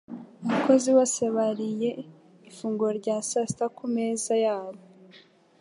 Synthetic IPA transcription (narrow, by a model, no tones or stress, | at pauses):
umuko̞ziwo̞se̞βaɾije̞ | ifuːŋɡoɾɟaːsastakumeːzajaːβo